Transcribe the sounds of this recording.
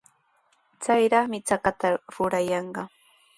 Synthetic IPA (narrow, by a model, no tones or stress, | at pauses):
t͡sajɾɑχmɪt͡sakat̪aɾʊɾajɑɴɢɑ